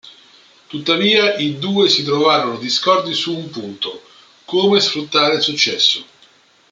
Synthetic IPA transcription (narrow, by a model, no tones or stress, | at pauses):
t̪ut̪ːaviːaʔid̪uːesit̪̬ɾovaːɾonod̪iskɔrd̪isuːmpunt̪o | koːmesfɾut̪ːaːɾesut͡ʃːɛsːo